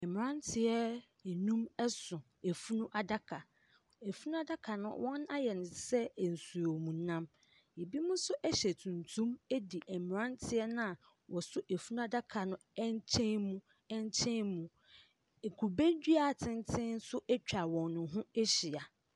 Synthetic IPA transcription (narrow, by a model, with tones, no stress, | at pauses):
ɛ˨m̃˨ɾã˦ntʰɪ˨ɛ˦ | ɛ˨nũ˦mɛ˦sʊ̃˨ | e˨fu˦nũ˦ʔa˨da˦kʰa˨ | e˨fu˦nũ˦a˦da˦kʰa˨nʊ̰̃˦wʔɔ̃˦na˦jɛ˨nʊ̃˨sɛ˦˨n̩˨su˨ɾo˨mũ˨˦nã˦m | e˨bi˦mʊ̃˦sʊ˦ʔæ˦ɕɛ˨tʰũ˨ntʰũ˦me˦di˨ʔɛ˨m˨ɾã˦ntʰɪ˦ɛ˦nã˦a˨ | wɔ˨sʊ˦ʔe˨fu˦nũ˦a˦da˦kʰa˨nʊ̃˦ɛ˦ɲ˦t͡ɕʰɛ̃˦nmũ˦ | ɛ˦ɲ˦t͡ɕʰɛ̃˦mũ˨ | kʰu˨bæ˦d͡ʑᶣi˦a˨tʰɪ̃˦ntʰɪ̃˦n̩˦sʊ˦ʔæ˦t͡ɕᶣa˨wɔ̃˨nːʊ̃˨ɦũ˦ɛ˦ɕi˨a˨